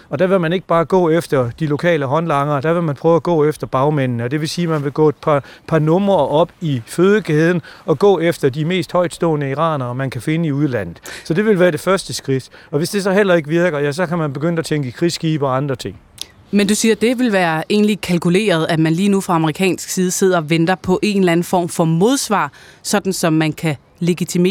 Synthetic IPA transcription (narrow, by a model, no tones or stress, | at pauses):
ɒ̽d̥æʋe̝lmæne̝ɡ̥əb̥ɑ̈ːɡ̥ɔ̰̽ːefd̥ɐd̥ilo̝kʰɛ̰ːləɦɒ̽nlɑ̈ŋɐd̥æʋe̝lmænpʰʁœːʊæɡ̥ɔ̰̽ːefd̥ɐb̥ɑ̈ʊmen̰nəɒd̥e̝ʋe̝siːmænʋe̝ɡ̥ɔ̰ːed̥̚pʰɑpʰɑ̈nɔ̽mɐʔɒ̽b̥iføːð̞ˠəɡ̥ɛːð̞ˠn̩ɒ̽ɡ̥ɔ̰̽ːefd̥ɐd̥ime̝̰ːsd̥hɒ̽ɪ̰d̥sd̥ɔ̰ːnəiʁɑ̰̈ːnɐmænkʰæfe̝nəiuð̞ˠlæn̰ð̩ˠsɒ̽d̥e̝ʋe̝lʋæːɐɾ̥e̝fɶɐsd̥əsɡ̥ʁid̥ɒ̽ʋe̝sd̥e̝sɒ̽ɦel̰ɐe̝ɡ̥əʋiɐɡ̥ɐjæs̬ɒ̽kʰæmænb̥e̝ɡ̥øn̰d̥æt͡sʰeŋɡ̥əkʰʁisɡ̥ḭːb̥ɒɑ̈nd̥ʁɐt͡sʰe̝ŋ̰ | mend̥usiːɐd̥e̝ʋe̝lʋæːɐe̝̰ːnlikʰælkʰule̝̰ːɐð̞̩ˠæmænliːnufʁɑ̈ɑ̈məʁikʰɛ̰ːnsɡ̥siːð̞ˠəse̝ð̞̰ˠɐɒʋend̥ɐpʰɒ̽ʔe̝ːn̩læn̩fɒ̰ːmfɒ̽mo̝ðˠsʋɑ̰̈ːsɒ̽d̥n̩sɒ̽mːænkʰæ | le̝ɡ̥it͡sʰimḛ